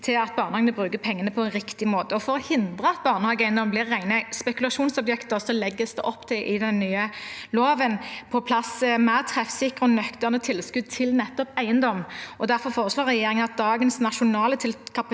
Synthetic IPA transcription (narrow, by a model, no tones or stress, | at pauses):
t̪ʰɪlɑt̪̚bɑːʁnəhɑŋnəbʁʉːkəpʰɛŋːənəpʰɔɛnɾɪkt̪ɪmoːt̪əɔfɔɾhɪnd̪ʁəɑt̪̚bɑːʁnəhɑːɡəæɪənd̪ɔmblɪʁːæɪnəspɛkʉlɑʃuːnsɔbjɛkt̪əʁsɔlɛɡːəsd̪ɛʔɔpːt̪ʰɪlʔɪd̪ɛnːyːəloːʋənpʰɔpʰlɑsːəmæːʁt̪ʰʁɛfsɪkəʁɔnœkt̪əʁnət̪ʰɪlskʉd̪̚t̪ʰɪlnɛt̪ːɔpæɪənd̪ɔmʔɔd̪æʁfɔɾfoːʁəsloːʁɛjeːɾɪŋənɑt̪̚d̪ɑːɡənsnɑʃʊnɑːlət̪ʰɪlkʰɑp